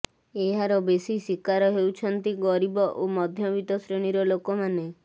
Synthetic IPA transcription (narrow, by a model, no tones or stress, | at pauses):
eɦaɾɔbesisikaɾɔɦewt͡ʃʰɔnt̪iɡɔɾibɔʔomɔd̪ʱjɔbit̪ɔsɾeɽ̃iɾɔlokɔmane